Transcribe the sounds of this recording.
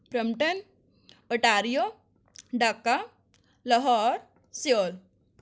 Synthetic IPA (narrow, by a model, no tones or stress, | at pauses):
pɾəmʈən | əʈaɾjo | ɖakːa | ləɦɔɾ | sol